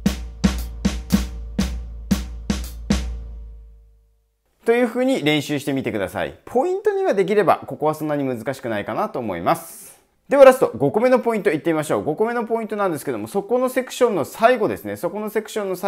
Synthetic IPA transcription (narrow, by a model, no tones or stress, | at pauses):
t̪o̞jɯ̟ːɸɯ̟ːɲ̟iɾẽ̞ɕɨːɕi̥t̪e̞mʲit̪e̞kɯ̟d̪a̰sa̰ḭpʰo̞ĩnt̪o̞ɲ̟iɡad̪e̞k̬ʲiɾe̞ba̰ko̞ko̞β̞asõ̞nːaɲ̟imɯzɨkaɕi̥kɯ̟naikanat̪o̞ːmo̞̰ḭmasɨ̥ | d̪e̞βaɾazɨ̥t̪o̞ɡo̞kome̞no̞po̞ĩnt̪oit̪ːemʲimaɕo̞ːɡo̞kome̞no̞p̬o̞ĩnt̪o̞nãnd̪e̞sɨ̥ked̪o̞mo̞so̞ko̞no̞se̞kɯ̟̥ɕõ̞nːo̞saiɡo̞d̪e̞sɨne̞so̞ko̞no̞se̞kɯ̥ɕõnːo̞sa